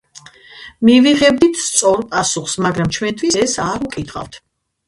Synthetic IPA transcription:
miviʁɛb̚d̪it̪ʰst̪sʼɔɾpʼasuχsmaɡɾamt͡ʃʰwɛnt̪ʰwisɛsaɾukʼit̪ʰχa̰ft̪ʰ

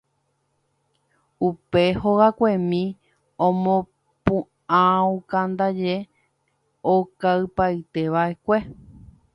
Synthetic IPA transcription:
upe̞hoɣakʷe̞mĩ | õmõ | pũ | ãũkãnd̪ad͡ʒe | okaɨpaɨt̪e̞ʋaʔe̞kʷe̞

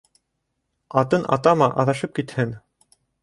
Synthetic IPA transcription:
ɑt̪ɤnʔɑ̰t̪ɑmɑʔɑ̰ðɑʃɤp̚kit̪hɘn

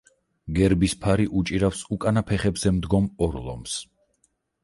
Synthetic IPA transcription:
ɡɛɾbispʰaɾiʔut͡ʃʼiɾafsukʼanapʰɛχɛbzɛmd̪ɡɔmɔɾlˠɔ̰ms

